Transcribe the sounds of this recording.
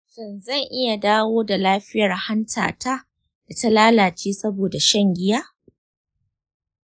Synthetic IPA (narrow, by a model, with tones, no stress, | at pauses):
ʃɪ˦nzɐ˦˨ŋʔɪ˦ja˨daː˦woː˦da˨laː˦ɸɪ˦jɐ˨rha˦ntʰa̰ː˨ta˦ | d̥a˨ta˦laː˦laː˨t͡ʃiː˦sɐ˦boː˨da˨ʃɐ˦˨ŋɡʲɪ˦jaː˦